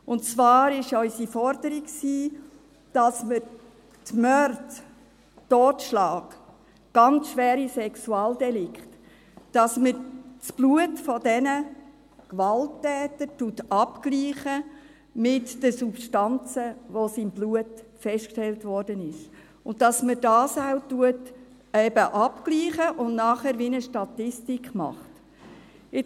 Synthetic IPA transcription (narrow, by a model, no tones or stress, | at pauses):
ʊnt͡svɑːɾɪʃɔʏsifɔɾdəɾiksiː | d̥ɑsmə | tmœɾt | toːtʃlɑːɡ | ɡ̥ɑnt͡sʃʋɛːɾisɛksuɑːldɛlɪkχt | d̥ɑsməsb̥luətfɔdɛnə | kʋɑltːɛːtəɾtutɑpkliːχə | mɪtd̥əsupʃtɑnt͡səʋosiːmbluətfɛʃt̚kʃtɛltʋɔrdənɪʃ | ʊnttːɑsmədɑːsawtuət | ɛbəʔɑpkliːχəʔʊnnɑːχɛːɾʋinəʃtɑtɪstikχmɑ̰χt | ɪ